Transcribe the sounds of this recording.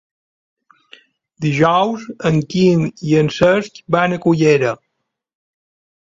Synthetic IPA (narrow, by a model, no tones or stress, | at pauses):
d̪iʒɔwzəŋkiniənsəskbanəkuʎeɾə